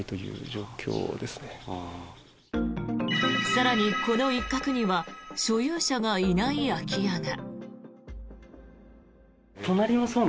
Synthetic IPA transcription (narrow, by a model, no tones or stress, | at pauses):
it̪o̞jɯ̟̰ːʑo̞ːkʲʰo̰ːd̪e̞sɨ̥ne | saɾaɲ̟iko̞no̞ikːakɯ̟ɲ̟iβaɕo̞jɯːɕaɡainaiakʲijana | t̪o̞naɾʲimaso̞ːn